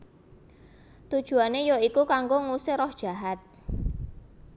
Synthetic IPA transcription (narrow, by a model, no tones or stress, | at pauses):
t̪ud̥ʒ̥ṳanejoikukaŋɡoŋusɪrɔhd̥ʒ̥a̤ɦat̪̚